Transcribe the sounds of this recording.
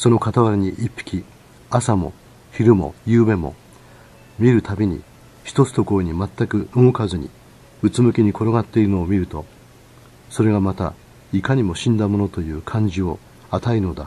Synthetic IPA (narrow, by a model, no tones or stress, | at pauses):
so̞no̞kat̪aβaɾɯɲ̟iʔipːi̥kʲi | asamo̞̰ | çiɾɯ̟mo̞̰jɯːbe̞mo̞̰ | mʲiɾɯ̟t̪abʲiɲ̟ḭ | çi̥t̪o̞t͡sɨ̥t̪o̞kooɲ̟imat̪ːakɯ̟ɯŋokazɨɲ̟ḭ | ɯ̟t͡sɨmɯ̟kʲiɲ̟ikʰo̞ɾoɡat̪ːe̞iɾɯ̟no̞ːmʲiɾɯ̟t̪o̞ | so̞ɾe̞ɡamat̪a̰ | ikaɲ̟imo̞ɕĩnd̪amo̞no̞t̪o̞jɯ̟ːkʰãɲ̟d͡ʑio̞ | at̪aino̞d̪a̰